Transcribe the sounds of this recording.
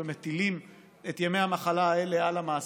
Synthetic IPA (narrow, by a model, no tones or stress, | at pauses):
emet̪ilim | et̪jeme̞jhamaχalaaele̞alamaːs